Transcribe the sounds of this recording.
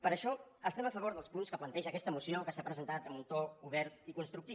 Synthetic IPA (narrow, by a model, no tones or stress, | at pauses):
pəɾəʃɔəst̪ɛməfəβoɾðəlˠspunskəplənt̪ɛʒəkɛst̪əmusiokəsapɾəzənt̪at̪əmunt̪ouβ̞ɛɾt̪ikunst̪ɾukt̪i